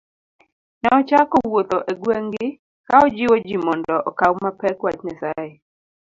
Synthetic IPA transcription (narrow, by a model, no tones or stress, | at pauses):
nɛɔt͡ʃakɔwot̪ɔʔeɡweŋɡɪ | kaɔd͡ʒɪwɔd͡ʒimɔndɔʔɔkawmapɛkwatɲasajɛ